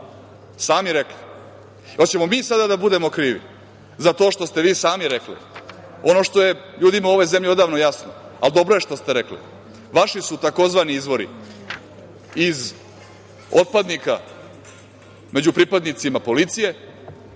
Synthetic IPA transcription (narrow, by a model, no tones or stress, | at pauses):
saːmiɾekli | ot͡ɕe̞mo̞miːsad̪ad̪abud̪e̞mo̞kɾiːʋḭ | zat̪o̞ːʃt̪o̞st̪e̞ʋiːsaːmiɾeklḭ | o̞no̞ʂt̪o̞je̞ʎuːd̪imauo̞ʋo̞jze̞mʎio̞d̪aːʋno̞jasnoa̰ld̪o̞bɾo̞jeʂt̪o̞st̪eɾeklḭ | ʋaʃisut̪ako̞zʋaniizʋo̞ɾḭ | iz | ot̪̚pad̪nika | me̞d͡ʑupɾipad̪nit̪simapo̞lit̪sije̞